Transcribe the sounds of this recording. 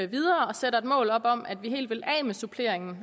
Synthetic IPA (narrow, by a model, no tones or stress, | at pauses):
ʋið̞ˠɐːɒ̽seɾɐe̝d̥mɔ̰ːlɒ̽b̥ɒ̽mæd̥ʋiɦe̝̰ːld̥ʋe̝lɛ̰ːmesupʰle̝ɐ̰e̝ŋn̩